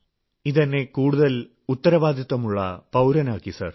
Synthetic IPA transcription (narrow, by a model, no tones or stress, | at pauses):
iðɐnːe̞kuːɽuðɐl | ut̪ːɐɾɐʋaːd̪ʱjɐt̪ːɐmuɭːɐ̰pɐwɾɐnaːkːisɐ̰r